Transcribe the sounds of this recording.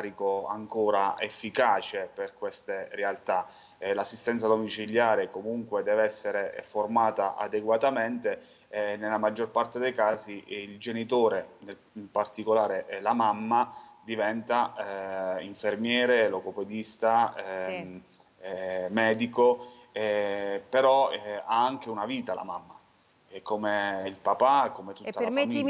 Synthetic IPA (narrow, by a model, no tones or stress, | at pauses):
ɾikoa̰ŋkoːɾaḛfːikaːt͡ʃeperkwest̪erealt̪a | lasːist̪ɛnt̪sad̪omit͡ʃiljaːɾekomuŋkwed̪ɛːveɛsːeɾeformaːt̪aʔa̰d̪eɡwat̪ament̪e | nelamad͡ʒːorpart̪ed̪ejkaːziild͡ʒenit̪oːɾenel | mpart̪ikolaːɾelamamːad̪ivɛnt̪a | iɱfermjɛːɾelokoped̪ist̪a | mɛːd̪iko | ɛpeɾɔaaŋk̟eunaviːt̪ala̰mamːa | komeilpapakomet̪ut̪ːalafami